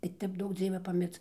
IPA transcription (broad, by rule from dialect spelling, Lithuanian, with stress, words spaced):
tɐɪ ˈtʲɛp ˈduɔk ˈd͡zʲiɛʋʲɛ pɐˈmʲɪrt͡s